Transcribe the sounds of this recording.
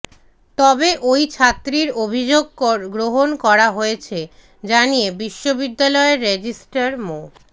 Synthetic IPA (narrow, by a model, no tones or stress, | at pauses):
t̪ɔbeʔojt͡ɕʰat̪ːɾiɾobʱid͡ʑoɡ̚kɔɾɡɾoɦonkɔɾaɦojet͡ɕʰe | d͡ʑanijebiʃːobid̪ːalɔeɾːed͡ʑisʈaɾmo